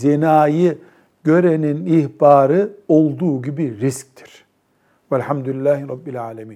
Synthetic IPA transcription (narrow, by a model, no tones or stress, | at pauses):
zenaːjɯ | ɟø̞ɾeninihbaːɾɯo̞lˠd̪uːɟibiɾisc̚t̪ʰi̥ɾ̥ | vælʲħamd̪ulilːaːhiɾˤɑbːilʲaːlʲamiːn